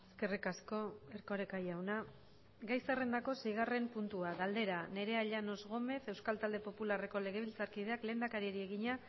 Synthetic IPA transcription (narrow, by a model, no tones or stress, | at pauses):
eske̞rikasko̞e̞ɾko̞ɾekajawna | ɡajsare̞nd̪ako̞sejɣ̞are̞mpunt̪uaɣald̪e̞ɾane̞ɾe̞aʎano̞zɣ̞o̞me̞θe̞wskalt̪ald̪e̞po̞pulare̞ko̞le̞ɣ̞e̞β̞ilt͡saɾkið̞e̞akle̞ːnd̪akaɾieɾie̞ɣiɲa